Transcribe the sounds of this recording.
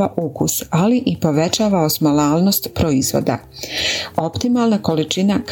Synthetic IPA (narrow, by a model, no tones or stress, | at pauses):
aʔukusaliʔipo̞ʋe̞t͡ʃaːʋaosmolaːlˠno̞st̪pɾoizʋo̰d̪a̰ | o̞pt̪imalˠnako̞lit͡ʃinak